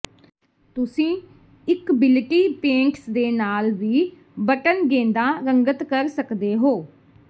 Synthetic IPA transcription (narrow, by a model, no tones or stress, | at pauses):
t̪ʊsĩː | ɪkbɪlʈiːpẽːɳʈsd̪eːnaːlʋiː | bəʈənɡẽːnd̪ãːɾəŋɡət̪kəɾsəkd̪eːɦoː